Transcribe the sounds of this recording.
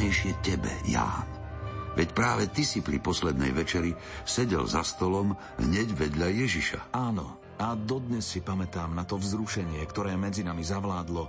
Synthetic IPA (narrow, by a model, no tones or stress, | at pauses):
ɛjʃɪɛcɛbɛ̰ja̰ːnʋɛcpɾaːʋɛt̪isipɾḭpɔslɛd̪nɛ̰jʋɛt͡ʃɛɾi | sɛɟɛ̰lzast̪ɔlɔm | ɦɲɛɟʋɛd̪ʎajɛʒiʃa̰aːnɔ | ad̪ɔd̪ɲɛsːipamɛt̪aːmnat̪ɔvzɾuʃɛɲɪɛkt̪ɔɾɛːmɛd͡zinamizaʋlaːd̪lɔ